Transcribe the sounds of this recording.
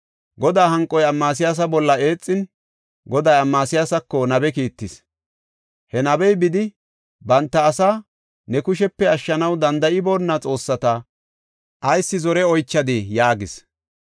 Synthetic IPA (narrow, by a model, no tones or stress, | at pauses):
ɡɔd̪aːɦɐŋkʼːɔjɐmːaːs̬ɪjaːs̬ɐbɔlːɐe̞ːt͡sʼːɪn | ɡɔd̪ɐjɐmːaːsɪjaːsɐkːɔnɐbɛkiːt̪ːɪs | hɛnɐbɛjbɪd̪ɪ | bɐnt̪ːɐːsa | nɛkʊʃ̬ɛpːɛɐʃːɐnɐwd̪ɐnd̪ɐʔɪbo̞ːnːɐt͡sʼo̞ːsːɐt̪ɐ | ʔɐjsːɪzɔɾɛɔjt͡ʃːɐd̪ɪjaːɡɪs